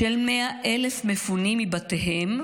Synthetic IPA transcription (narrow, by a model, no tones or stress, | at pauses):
ʃelmeaʔelefmefunimːibateɦem